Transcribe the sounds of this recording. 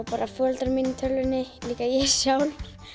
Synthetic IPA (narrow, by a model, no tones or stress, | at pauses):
wpaːɾʔafœlt̪aɾminɪt̪ʰœlvʏnːɪliːkajɛsjaːwl